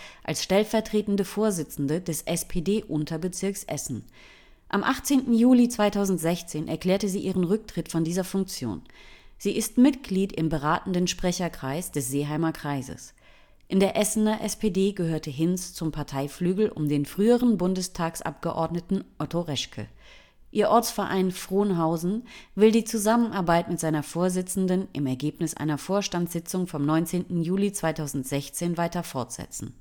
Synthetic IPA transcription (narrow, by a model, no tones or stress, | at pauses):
ʔalsʃtɛlfɛɐtʁ̥eːtn̩dəfoːɐzɪt͡sn̩dədɛsʔɛspʰeːdeːʔʊntʰɐbət͡sɪɐksʔɛ̰sn̩ | ʔamʔaχt͡seːntn̩juːlit͡sv̥aɪtʰaʊzn̩tz̥ɛçt͡seːnʔɛɐkl̥ɛːɐtəziːʔiːʁənʁʏk̚tʁ̥ɪtfɔndiːzɐfʊŋk̚t͡sjo̰ːnz̥iːʔɪstmɪtɡ̥liːtɪmbəʁaːtn̩dənʃpʁ̥ɛçɐkʁ̥aɪsd̥ɛsz̥eːɦaɪmɐkʁ̥aɪzə̰s | ʔɪndeːɐʔɛsn̩ɐʔɛspʰeːdeːɡəhøːɐtəɦɪnst͡sʊmpʰaɐtʰaɪflyːɡl̩ʔʊ̰mdeːnfʁ̥yːəʁənbʊndəstʰaːksʔa̰p̚ɡ̥əʔɔ̰ɐdnətn̩ʔɔtoʁɛʃkʰə̰ | ʔiːɐʔɔɐt͡sfɛɐʔa̰ɪnfʁ̥oːnɦaʊzn̩vɪldiːt͡suzamənʔaɐbaɪtmɪtz̥aɪnɐfoːɐzɪt͡sn̩dənʔɪmɛɐɡeːpnɪsʔa̰ɪnɐfoːɐʃtantsz̥ɪt͡sʊŋfɔmnɔʏnt͡seːntn̩juːlit͡sv̥aɪtʰaʊzn̩tz̥ɛçt͡seːnvaɪtɐfɔɐtz̥ɛ̰t͡sn̩